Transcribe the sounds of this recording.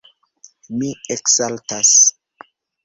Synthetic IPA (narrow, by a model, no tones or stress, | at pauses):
mieksaltas